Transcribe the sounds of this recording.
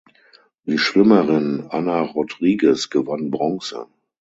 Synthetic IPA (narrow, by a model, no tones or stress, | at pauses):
d̥iːʃv̥ɪməʁɪnanaʁʊdʁiːɡəsɡ̥əvanbʁɔŋsə̰